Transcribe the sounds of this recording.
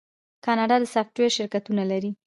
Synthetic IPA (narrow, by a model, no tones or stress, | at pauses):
kɑnɑɖɑd̪əsɑfʈweɾʃɪɾkat̪unalaɾi